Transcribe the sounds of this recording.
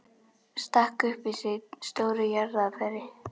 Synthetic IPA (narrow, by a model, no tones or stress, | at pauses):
st̪ahkʏhpɪsɪst̪oːwɾʏjaɾðafɛɾɪ